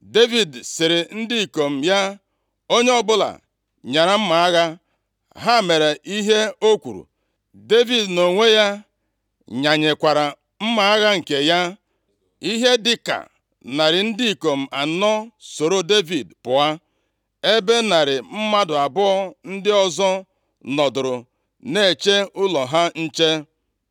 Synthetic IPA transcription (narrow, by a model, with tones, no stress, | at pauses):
de˦vi˨dsɪ˨ɾe˨n̩˦di˦i˨ko˨m̩˨ja˦ | o˦ɲe˦ɔ˦bʊ˦la̰˨ | ɲa˨ɾa˨m̩˦ma˨a˦ɣa˦ | ɦa˦˨me˨ɾe˨ʔi˦ɦe˦o˦kʷṵ˨ɾṵ˨ | de˦vi˨dno˨ŋʷe˦ja˦ | ɲa˨ɲe˨kʷa˨ɾa˨ | m̩˦ma˨a˦ɣa˦ŋ̩˨ke˨ja˦ | i˦ɦe˦dɪ˦ka̰˨ | na˨ɾɪ˨n̩˦dɪ˦i˨ko˨m̩˨a˨nɔ˦so˨ɾo˦de˦vi˨dpʊ˨a˦ | e˦be˦na˨ɾɪ˨m̩˦ma˦dʊ˨a˨bʊ˦ɔ˦n̩˦dɪ˦ɔ˦zɔ˦ | nɔ˨dʊ˨ɾʊ˨ | ne˨e˨t͡ʃe˦ʊ˦lɔ˨ɦa˦n̩˦t͡ʃe˦